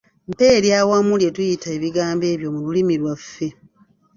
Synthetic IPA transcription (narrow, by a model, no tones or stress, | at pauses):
mpe̞ːɾjaːwamulje̞tujitaeβiɡaːmbe̞ːβjo̞mululimilwafːe̞